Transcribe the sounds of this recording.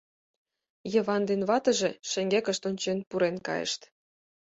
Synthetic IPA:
jɤ̆βɑnd̪enβɑt̪ə̆ʒĕʃĕŋɡekə̆ʃt̪onʲt͡ɕenpuɾenkɑ̰jə̰ʃt̪

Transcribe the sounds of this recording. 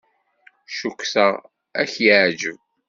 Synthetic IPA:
ʃukʷːsæ | æçjaʕd͡ʒəv

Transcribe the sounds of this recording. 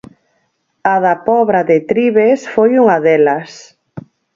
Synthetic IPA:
aðapɔβɾaðɪt̪ɾiβesfojuŋɐðɛlɐs

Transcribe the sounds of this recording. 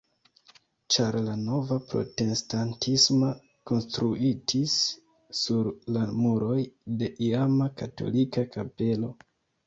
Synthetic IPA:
t͡ʃaɾlano̞vapɾo̞̰te̞stantismo | ko̞nstɾuʔitʰisː | uɾlamuɾo̞jde̞ʔiamakato̞̰likakape̞lo̞

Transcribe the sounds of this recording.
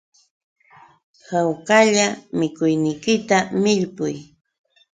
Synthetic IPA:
hawkaʎamɪkʊjnɪjkɪt̪amɪʎpʊj

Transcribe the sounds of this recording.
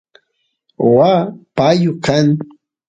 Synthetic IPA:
wapajʊkaŋ

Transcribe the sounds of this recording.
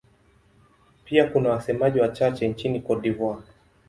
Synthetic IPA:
piakunawasɛmaʄiwat͡ʃat͡ʃɛnt͡ʃinikɔɗivwa

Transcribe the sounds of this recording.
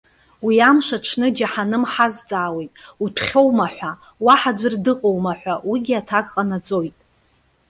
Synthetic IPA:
wiamʂaʈ͡ʂʰnɨd͡ʒaħanɨmħazt͡sʼaːwejtʼipʰχʲo̞wmaħʷa | waħad͡zʷɨrdɨqʼowmaħʷawiɡʲiatʰakʼqʼanat͡sʼo̞jtʼ

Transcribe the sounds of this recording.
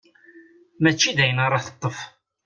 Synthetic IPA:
mæt͡ʃːid̪æjənəɾˤɑθə̥t̪ˤːəf

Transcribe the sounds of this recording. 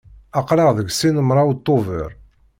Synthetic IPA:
ɑqɾɑʁðəɡsinəmɾˤɑwt̪ˤːovə̰ɾˤ

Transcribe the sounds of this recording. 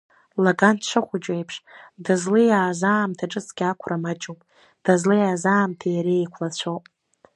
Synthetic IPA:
laɡantʰʃʷɨχʷʊd͡ʒʼejpʰʂdazlɨjaːzaːmtʰaʈ͡ʂʼɨt͡sʰʼɡʲakʷʰrʔamat͡ʃʼopʼ | d̥azlɨjaːzaːmtʰajɾejkʷʰlat͡ɕʷʰowpʼ

